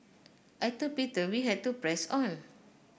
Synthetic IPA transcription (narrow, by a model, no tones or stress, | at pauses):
ʔatupitəwiɦɛd̚tupɹɛsɔ̃n